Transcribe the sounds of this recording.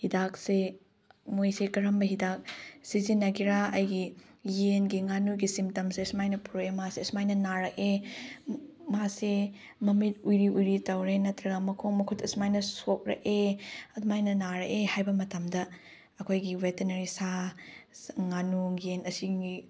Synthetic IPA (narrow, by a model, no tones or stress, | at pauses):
hidak̚se | mojsekɐɾɐmbɐɦidak̚sizinːɐɡiɾaɐjɡijenɡiŋanuɡisimtɐmsesmajnɐpʰuɾemasesmajnɐnaɾɐke | mase | mɐmit̚ujɾiʔujɾitɐwɾenɐtɾɐɡɐmɐkʰoŋmɐkʰutɐsmajnɐsok̚ɾɐ̰keɐdmajnɐnaɾɐʔehajbɐmɐtɐmdɐ | ɐkʰojɡiwetenɐɾisa | ŋanuŋjenɐsii